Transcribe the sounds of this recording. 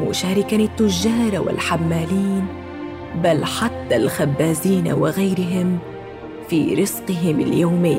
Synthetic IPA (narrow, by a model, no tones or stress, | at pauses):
mʊ̰ʃaːɾɪkanɪt̪ːʊʒːaːɾˤɑwɪ̰lħamːaːliːn | balħat̪ːalxabːaːziːna̰wɪɣajɾɪɦɪm | fiːɾɨsqɨɦɪmɪ̰ljoːmɪjː